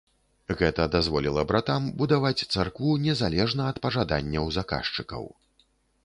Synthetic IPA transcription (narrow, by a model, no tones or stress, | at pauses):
ɣɛt̪ɐd̪azvɔlʲilˠɐbɾat̪ambud̪avat͡sʲt̪sarkvunʲɛzalʲɛʐnɐɐt̪pɐʐad̪a̰nʲːɐwzaka̰ʂt͡ʂɨkɐ̰w